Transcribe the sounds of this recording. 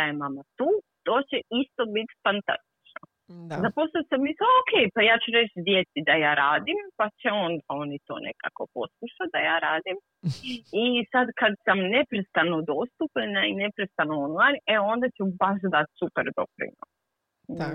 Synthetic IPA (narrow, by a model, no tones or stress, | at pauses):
ajemamat̪uːt̪o̞ːt͡ɕeist̪o̞bit̪fant̪a̰st̪i̥t͡ʃno | zapo̞sasamisookʰejpajaːt͡ɕuɾe̞t͡ɕd̪je̞t̪sid̪ajaːɾaːd̪impat͡ɕeo̞nd̪aonit̪o̰nʔḛka̰ko̞po̞skuʃat̪̚d̪ajaːɾaːd̪im | isad̪kad̪samne̞pɾest̪anod̪o̞st̪upɲanaine̞pɾest̪anoonlˠajneo̞nd̪at͡ɕubaʃd̪at̪supeɾd̪o̰pɾḭno̰s